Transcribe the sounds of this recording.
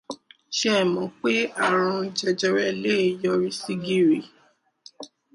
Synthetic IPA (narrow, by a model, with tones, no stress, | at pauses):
ʃɛ˦˨mɔ̃˨k͡pe˦a˦˨ɾ̃ɔ̃˧d͡ʒɛ˧d͡ʒɛ˧ɾɛ˧le˦i˨jɔ˧ɾi˧si˦ɡi˦˨ɾi˨